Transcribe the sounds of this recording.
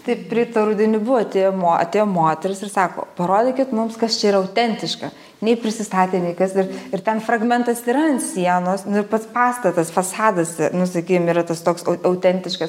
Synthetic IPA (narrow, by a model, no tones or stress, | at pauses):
t̪ɐɪpʲɾʲɪt̪ɐɾʊd̪ʲɪnʲɪbʊʋoɐt̪ʲeːjoːmoːɐ̰t̪ʲeːjoːmoːt̪ʲɛɾʲɪsɪɾsɑːko̰ːpɐɾoːd̪ʲeːkʲɪt̪mʊmskɐst͡ʃʲɛiːɾɐɐʊt̪ʲɛnʲt̪ʲɪʃkɐ | nʲɛɪpʲɾʲɪsʲɪst̪ɑːt̪ʲeːnʲɛɪkɐsɪɾɪɾt̪ʲɛnfɾɐɡmʲɛnt̪ɐsiːɾɐnsʲiɛnoːsnʊɪɾpɐt̪spɑːst̪ɐt̪ɐsfɐsɑːd̪ɐsɛnʊsɐkʲiːkomiːɾɐt̪ɐst̪oːksɐʊɐʊt̪ʲɛnʲt̪ʲɪʃkɐs